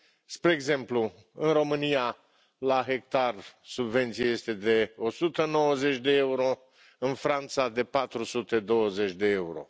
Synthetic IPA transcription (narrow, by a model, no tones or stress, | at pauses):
spɾe̞ːɡze̞mplu | ɨnro̞mɨnija | laɦe̞k̚t̪arsubve̞nt̪sijaje̞st̪e̞d̪e̞o̞sut̪əno̞wəze̞t͡ʃʲd̪e̞euɾo̞ | ɨnfɾant̪sad̪e̞pat̪ɾusut̪e̞d̪o̞wəze̞t͡ʃʲd̪e̞euɾo̞̰